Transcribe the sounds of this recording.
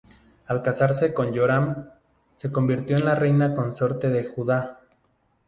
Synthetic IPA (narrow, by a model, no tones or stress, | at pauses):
alkasaɾse̞ko̞njoɾam | se̞ko̞mbiɾt̪jo̞enlare̞jnako̞nsoɾt̪eðe̞xuða